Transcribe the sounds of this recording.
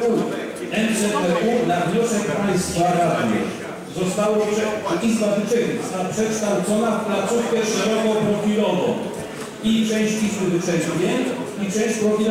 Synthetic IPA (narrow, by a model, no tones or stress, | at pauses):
u | ɛnsɛpɛʔunavɲɔsɛkpajst̪vaɾad̪mɛ̰ | zɔst̪awɔpʂɛizbavɘt͡ʂɛɡzɔst̪aapʂɛkʂt̪awt̪sɔnafplat̪sufkɛʂɛɾɔkɔ̃w̃pɾɔfʲilɔvɔ̰̃w̃ | it͡ʂɛ̃w̃ɕt͡ɕizbɘvɘt͡ʂɛɕvʲɛɲ | it͡ʂɛ̃w̃ɕt͡ɕpɾɔfʲil